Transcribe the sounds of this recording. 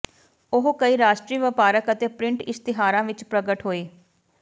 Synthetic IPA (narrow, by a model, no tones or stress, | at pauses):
ʊɦkəiːɾaːʃʈɾiːʋɪpaːɾəkət̪eːpɾɪ̃ɳʈɪst̪ɪɦaːɾãːʋɪt͡ʃpɾəɡəʈɦoːeː